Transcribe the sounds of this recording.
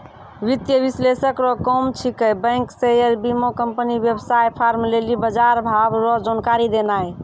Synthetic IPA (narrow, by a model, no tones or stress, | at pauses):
ʋit̪jəbislesəkɾɔkɔmt͡ʃʰikəjbə̃ŋksejəɾbimokəmpəniʋjebsajpʰaɾmlelibəd͡ʒaɾbʱabɾɔd͡ʒonkaɾid̪enaj